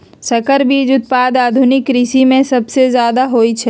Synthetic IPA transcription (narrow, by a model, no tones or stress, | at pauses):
sɐkəɾbʱiːd͡ʒʊt̪̚paːd̪aːd̪ʱʊnɪkɾisimẽsɐbsezjaːd̪aɦoːit͡ʃʰɛ